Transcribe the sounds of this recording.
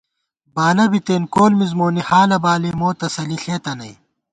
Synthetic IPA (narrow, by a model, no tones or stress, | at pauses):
baːlɐbit̪eːnkoːlmizmoːnihaːlɐbaːlemoːt̪ɐsɐliɬeːt̪ɐnɐj